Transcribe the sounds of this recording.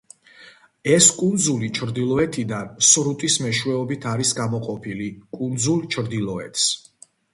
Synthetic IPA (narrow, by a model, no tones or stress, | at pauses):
ɛskʼund̪zulit͡ʃʰɾd̪ilˠɔɛt̪ʰid̪ansɾut̪ʼismɛʃwɛɔbit̪ʰaɾisɡamɔqʼɔpʰilikʼund̪zulˠt͡ʃʰɾd̪ilˠɔɛ̰t̪ʰs